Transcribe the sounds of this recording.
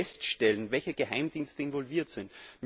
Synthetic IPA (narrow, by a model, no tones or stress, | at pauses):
ɛstʃtɛlənvɛlçəɡ̥əhaɪmd̥iːnstəɪnvɔlviːɐtz̥ɪntm